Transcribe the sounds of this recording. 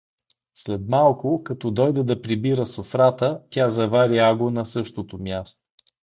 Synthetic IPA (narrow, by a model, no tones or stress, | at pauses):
slɛt̪malˠkʊkɐt̪ɔd̪ɔjd̪ɛd̪ɐpɾibiɾəsofɾat̪ət̪ʲjazɐvaɾiaɡonɐsɤʃt̪ot̪omjast̪o̥